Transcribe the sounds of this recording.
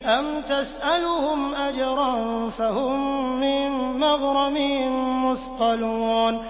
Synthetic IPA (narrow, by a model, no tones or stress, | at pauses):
ʔamt̪asʔalʊhʊmʔad͡ʒɑɾˤɑnfahʊmːɪnːɑɣɾˤɑmɪhɪnmʊθt̪ɑluːn